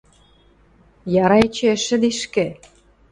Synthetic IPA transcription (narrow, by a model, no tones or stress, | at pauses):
jɑɾɑet͡ɕeʃɘ̆d̪iʃkĕ